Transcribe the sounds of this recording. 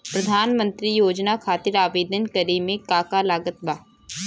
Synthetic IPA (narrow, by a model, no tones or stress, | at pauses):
pɾɐd̪ʱaːnmə̃nt̪ɾijoːd͡ʒnakʰaːt̪ɪɾaːʋeːd̪ənkəɾemẽkaːkalaːɡət̪baː